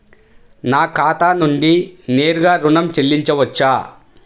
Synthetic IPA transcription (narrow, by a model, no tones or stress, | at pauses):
naːkaːt̪aːnuɳɖineːɾuɡaːɾuɳɐmt͡ʃelːiɲt͡ʃɐʋɐt͡ʃːaː